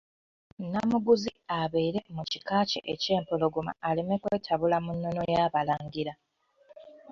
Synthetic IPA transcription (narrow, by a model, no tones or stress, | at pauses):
nːamuɡuziaβeiɾe̞mucikaːcḛʔece̞ːmpolo̞ɡuma̰ːle̞me̞kwe̞ːtʰaβulamunːo̞no̞jaːβalaːŋɡiɾa